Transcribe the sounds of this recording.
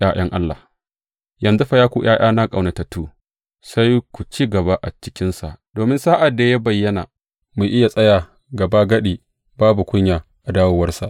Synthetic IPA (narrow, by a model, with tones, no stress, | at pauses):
jaː˦j̰ɐ˦ŋʔa˦lːa̰˨ | jɐ˨nzu˦ɸɐ˦jaː˦kʷu˦j̰ʔaː˦j̰ʔaː˦na˦kʼa˨wna˨tɐ˨tuː˦ | sa˦jkʷu˨t͡ʃiː˦ɡɐ˨ba˦ʔa˨t͡ʃɪ̥˦kʲɪ˦nsa˨ʔd̥oː˨mɪ˦nsaː˦ʔa˨dːa˨ja˦bɐ˨jːɐ˦na̰˨ | mu˨ʔɪ˦ja˨sʼɐ˦jaː˨ | ɡɐ˨ba˦ɡɐ˦ɗiː˨ | baː˦bu˨kʷʊ˦ɲjaː˨ | ʔa˨daː˦woː˦wɐ˦rsa˨ʔ